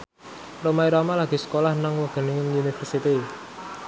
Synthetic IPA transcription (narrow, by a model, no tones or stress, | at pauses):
romaiɾamalaɡ̥i̤sə̥kolahnaŋwaɡ̥ə̤nɪŋɪŋunifərsit̪i